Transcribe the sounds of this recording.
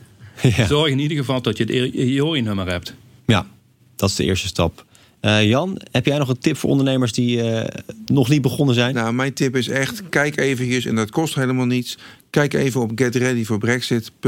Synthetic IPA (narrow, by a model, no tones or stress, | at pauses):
jazɔɹxɪnidəɹɣəvɑlˠtɔtjətoːrinømərɦɛp̚t | ja | d̥ɑtɪzdəʔɪ̰ːɹstəstɑp | jɑnhɛpjɛjnɔχəntɪpfʊːɹʔɔ̰ndəɹnejməɹsdiənɔχlibəχɔnəzɛjnnamɛjntɪpɪsɛχtkɛjkejvət͡ʃəsɛ̰ndɑtkɔstɦejləmaːlˠnitskɛjkejvənɔp̚ɡɛtrɛdivʊːɹbrɛksɪtp